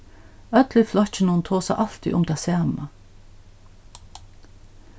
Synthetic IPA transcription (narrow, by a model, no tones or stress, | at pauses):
œt̪lɪflɔçənunt̪ʰoːsæ̰ʔɑl̥t̪ɪ̰ʔʊ̰mt̪ʰɛsæːma